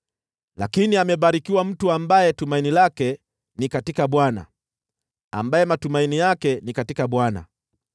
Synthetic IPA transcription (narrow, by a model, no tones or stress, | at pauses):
la̰kiniamɛɓaɾikiwam̩tuambajɛtumainilakɛ | nikatikaɓwana̰ | a̰mbajɛmatumainijakɛnikatikaɓwana̰